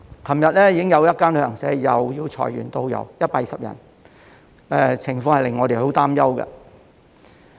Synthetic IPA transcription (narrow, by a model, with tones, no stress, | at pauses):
kʰɐ˨˩mjɐ˨t̚lɛː˥jiː˧kɪ˥ŋjɐ˨˧wjɐ˥t̚kaː˥nlːŋsɛː˨˥jɐ˨wjiː˧wt͡ʃʰɔ̰ː˨˩jy̰ː˨˩nt̪o˧wjɐ̰˨˧wjɐ˥t̚paː˧i˨sɐ˨p̚jɐ̰˨˩n | ɛː˨˧t͡sʰɪ˨˩ŋfɔː˧ŋhɐ˨jlɪ˨ŋːɔː˨˧ɾe˨jɦo˨˥wt̪aː˥mjɐ˥wkɐ̰˧